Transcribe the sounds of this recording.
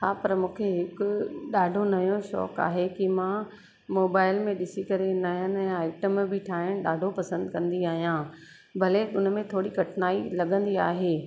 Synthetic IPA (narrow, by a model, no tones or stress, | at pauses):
tʰaːpɐɾmũːkʰeɦɪkʊɗaːɖʱonɐjõʃɔ̰ːka̰ːɦekimã | moːbaːɪlmẽɗɪsikɐɾenɐjənɛ̃ːaːɪʈəmbʱɪʈʰaːɦɪɽ̃ɗaːɖʱopɐsə̃nd̪kɐ̃nd̪iaːɦijãː | bʱɐleʊnmẽt̪ʰoːɽiɡʱɐʈʰnaːilɐɠə̃nd̪ia̰ːɦeː